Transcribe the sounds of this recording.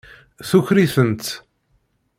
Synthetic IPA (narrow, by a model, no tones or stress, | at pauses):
θuçɾiθənt̪